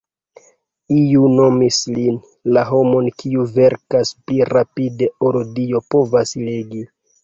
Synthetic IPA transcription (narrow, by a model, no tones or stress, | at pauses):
iuno̞mislin | laɦo̞mo̞nkʰiuve̞ɾkaspliɾapide̞oɾudio̞po̞vasleɡi